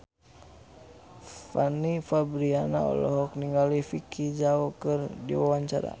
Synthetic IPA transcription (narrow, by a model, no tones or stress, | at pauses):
fanifabɾiana̰ɔ̰lɔɦɔk̚niŋɡalifikʰid͡ʒaɔkɨrdḭwawaɲt͡ʃa̰ɾa̰